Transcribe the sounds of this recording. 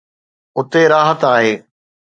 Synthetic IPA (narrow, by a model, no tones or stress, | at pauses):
ʊt̪eɾaːɦət̪aːɦeː